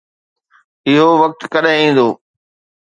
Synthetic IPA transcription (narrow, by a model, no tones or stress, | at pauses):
ɪɦoʋɐk̚t̪kɐɗẽĩːn̆d̪oː